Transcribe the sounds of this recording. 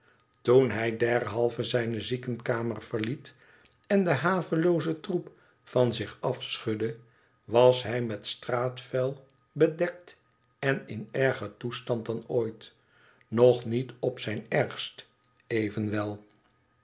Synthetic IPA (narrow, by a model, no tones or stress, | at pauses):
tunɦɛjdɛɹɦɑlˠvəzɛjnəzikənkaːməɹv̥əɹlit | ɛndəɦaːvəlowzətrup | fɑnzɪχɑfsχɵdə | ʋɑsɦɛjmɛtstraːtfɛlˠ | bədɛk̚t | ɛnɪnɛɹχətustɑnt̚dɑnoːjt | nɔχnitɔpsɛjnɛɹχst | ejvənʋɛlˠ